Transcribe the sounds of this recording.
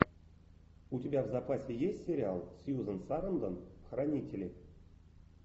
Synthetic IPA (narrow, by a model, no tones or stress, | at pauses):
utʲɪbʲævzapasʲejesʲtʲsʲeɾʲɪalˠsjuzənsaɾɤ̆nd̪ənxranʲitʲelʲe